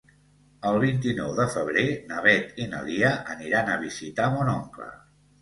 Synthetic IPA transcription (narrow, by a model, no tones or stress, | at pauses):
əlˠβ̞int̪inɔwðəfəβɾenəβɛt̪inə̰liəʔəniɾanəβ̞izit̪amonɔŋklə̰